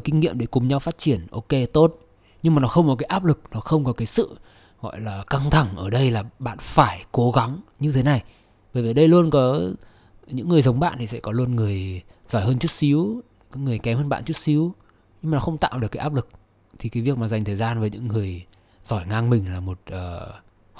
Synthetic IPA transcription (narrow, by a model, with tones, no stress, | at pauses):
kï˧ŋ̟ŋḭ˧˨əmɗe˧˩kʊ˨˩ŋ͡mɲa˧wfaː˦˥t̚t͡ɕi˧˩ənʔo˧ke˧t̪o˦˥t̚ | ɲɨ˧ŋmaː˨˩nɔ˨˦xə˧wŋ͡mkɔ˨˦kaː˨˦jʔaː˦˥p̚lɨ˨˩k̚nɔ˨˦xə˧wŋ͡mkɔ˨˦kaː˨˦jsɨ̰˧˨ | ɣɔ̰˧˨jlaː˨˩ka˧ŋt̪ʰa˧˩ŋʔəː˧˩ɗə˧jlaː˨˩ɓa̰ː˧˨nfaː˧˩jko˨˦ɣa˨˦ŋɲɨ˧t̪ʰe˨˦na˨˩j | ɓəː˧˩jvi˨˩jɗə˧jlu˧ənkɔ˨˦ | ɲɨ̰˧˥ŋːɨ˨˩əjzə˨˦wŋ͡mɓa̰ː˧˨nt̪ʰi˨˩sɛ̰˧˥kɔ˨˦lu˧ənŋɨ˨˩əj | zɔ˧˩jɦəː˧nt͡ɕu˦˥t̚si˨˦w | kɔː˨˦ŋɨ˨˩əjkɛ˨˦mhəː˧nɓa̰ː˧˨nt͡ɕu˦˥t̚si˨˦w | ɲɨ˧ŋmaː˨˩ɔ˨˦xə˧wŋ͡mt̪a̰ː˧˨wɗɨ˨˩əkːaː˨˦ʔaː˦˥p̚lɨ˨˩k̚ | t̪ʰi˨˩kaː˨˦vi˨˩ək̚maː˨˩za˨˩jŋ̟t̪ʰəː˨˩zaː˧nvəː˨˦jɲɨ̰˧˥ŋːɨ˨˩əj | zɔ˧˩jŋaː˧ŋmï˨˩ŋ̟laː˨˩mo˨˩t̚ʔəː˨˩